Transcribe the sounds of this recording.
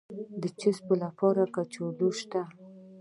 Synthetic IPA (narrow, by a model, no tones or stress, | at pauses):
d̪ət͡ʃɪspəlapɑɾakat͡ʃod̪oʃt̪a